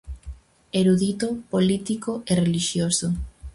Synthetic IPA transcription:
eɾuðit̪opolit̪ikoʔereliʃjoso

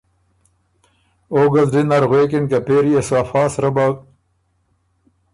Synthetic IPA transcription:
oːɡɐzdinɐɾɣweːkinkɐpeːɾieswaːfɑːsɾɐbaːk̚

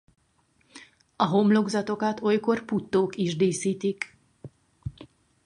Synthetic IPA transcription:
ɒɦo̞mlo̞ɡzɒt̪o̞kɒt̪o̞jko̞rput̪ːoːkiʒd̪eːsiːt̪ik

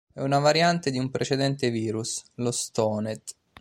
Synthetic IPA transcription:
ɛunavaɾjant̪ed̪iumpɾʔet͡ʃed̪ɛnt̪eviːɾuslost̪ɔːnet̪

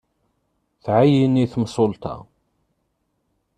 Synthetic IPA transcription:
θʕajiniθmsˤolt̪ɑ̰

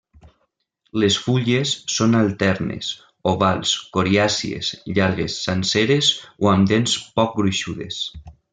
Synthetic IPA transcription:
lesfuʎesːonalˠt̪ɛɾnḛs | oβalˠskoɾiasiḛsʎaɾɣ̞esːanseɾezoamd̪enspɔk̚ɡɾuʃuðḛs

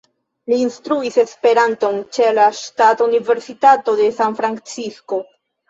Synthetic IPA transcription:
liːnstɾuise̞spe̞ɾanto̞nt͡ʃe̞laʃtatunive̞ɾsitato̞de̞sanfɾant͡sisko̞

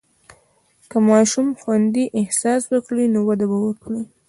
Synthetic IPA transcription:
kamɑʃumxwand̪iʔɪhsɑswəkɽinowad̪abawəkɽi

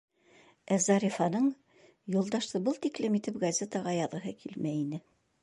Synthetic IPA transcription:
æzɑɾʲifɑnɤɴ | julˠd̪ɑʃt̪ɤbɤlˠt̪iklɘmit̪ɘp̚ɡɐzʲet̪ɑʁɑjɑðɤ̆ɦɤkʰilmæinɘ

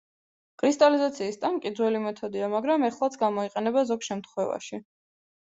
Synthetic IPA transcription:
kʼʰɾist̪ʼalizat̪sʰiːst̪ʼaŋkʼid̪zwɛlimɛt̪ʰɔd̪iamaɡɾamɛχlˠat̪sʰɡamɔiqʼɛnɛbazɔɡʃɛmt̪ʰχwɛva̰ʃi

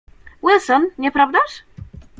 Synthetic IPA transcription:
wɛlsɔnɲɛpɾavd̪aʂ

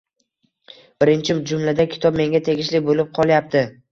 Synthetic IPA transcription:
b̥ɪɾɪnt͡ʃʰɪd͡ʒʊmlad̪akʲʰɪ̥t̪ʰɒbme̞ŋɡʲat̪ʰe̞ɡʲɪʃlɪbolɪp̚qʰɒlˠjap̚t̪ʰɪ

